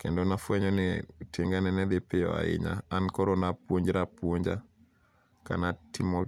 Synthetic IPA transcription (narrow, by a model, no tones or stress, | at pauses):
kendɔnafwɛɲɔnɛtjeŋɡanɛnɛd̪ɪpɪɔ̰a̰ɪ̰ɲa̰ːnkɔɾonapwoɲd͡ʒɾapwoɲd͡ʒa | ka̰natʰɪmɔ